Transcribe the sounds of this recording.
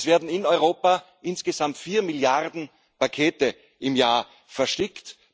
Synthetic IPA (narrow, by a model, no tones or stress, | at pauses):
sv̥eːɐdn̩ɪnɔʏʁoːpa | ʔɪnsɡ̥əzamtfiːɐmɪljaʁdn̩ | pakʰeːtə | ʔɪmjaːɐ | fɛɐʃtɪkt